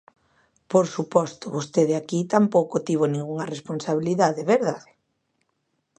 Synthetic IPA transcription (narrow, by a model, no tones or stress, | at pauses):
poɾsupɔst̪ʊβost̪eðeakit̪ampowkot̪iβonĩŋɡuŋɐresponsaβ̞iliðaðeβeɾðað